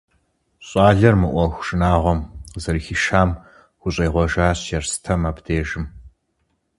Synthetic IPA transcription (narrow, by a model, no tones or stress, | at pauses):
ɕʼɑːɮɐrmɨʔʷɔxʷʂɨnaːʁʷɔmzɐrxiʃaːm | xʷʊɕʼeːʁʷɔʒaːɕjɛrsɨ̥tʰɐmaːbdeːʒɪm